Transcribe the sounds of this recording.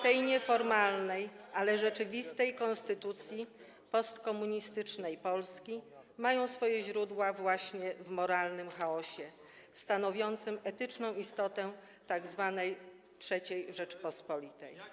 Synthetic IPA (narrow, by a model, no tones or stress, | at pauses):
t̪ɛjɲɛfɔɾmalnɛjʔalɛʐɛt͡ʂɘvʲist̪ɛjkɔnst̪ɘt̪ut̪sʲji | pɔst̪kɔmuɲist̪ɘt͡ʂnɛjpɔlskʲi | majɔ̃w̃sfɔjɛʑɾud̪wavwaɕɲɛvmɔɾalnɘmxaɔɕɛ | st̪anɔvʲjɔnt̪sɘmɛt̪ɘt͡ʂnɔ̃w̃ist̪ɔt̪ɛ | t̪aɡzvanɛj | tʂɛt͡ɕejʐɛt͡ʂpɔspɔlʲit̪ɛ̰j